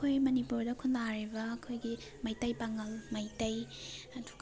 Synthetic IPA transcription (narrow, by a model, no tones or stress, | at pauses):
kʰojmɐnipuɾdɐkʰundaɾibɐːkʰojɡi | mɐjtɐjpaŋɐlmɐjtɐjɐduɡ